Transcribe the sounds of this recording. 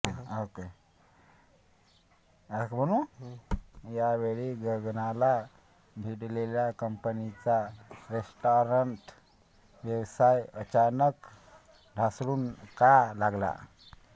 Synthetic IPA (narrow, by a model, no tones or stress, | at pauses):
oke | akbəñuː | jaʋeɭiːɡəɡnala | bʱiɽleljakəmpənit͡saɾesʈoɾəɳʈ | ʋjəʋsajət͡ɕanək | ɖʱasɽuːnkalaɡla̰